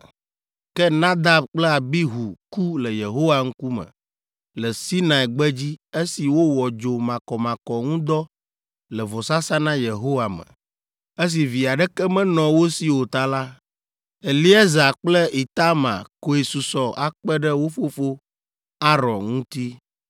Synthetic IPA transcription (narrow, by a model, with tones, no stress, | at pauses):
kɛ˦nã˦d̪a˦b̚k͡plɛ˦a˨bi˦ɦu˨ku˦lɛ˨je˨ɦo˦wa˦ŋ̩˦ku˦mə̰̃˨ | lɛ˨si˦nã˨ɛ˨ɡ͡bɛ˦d͡ʑi˦e˦si˨wo˦wɔ˨d͡ʒo˨mã˨kɔ˨mã˨kɔ˨ŋũ˦d̪ɔ˦ | lɛ˨vɔ˨sa˦sa˦nã˦je˨ɦo˦wa˨mə̰̃˨ | e˦s̬i˨vi˨a˨ɖɛ˦kɛ˦mɛ̃˦nɔ̃˨wo˦si˦wo˨t̪a˦la˦ | e˨li˦ɛ˦za˨k͡plɛ˦i˨t̪a˦mã̰˨ko˨e˨su˨sɔ˨ʔa˦k͡pɛ˦ɖɛ˦wo˦fo˦fo˦ | a˦ɾɔ̃˨nŋũ˦t̪i˦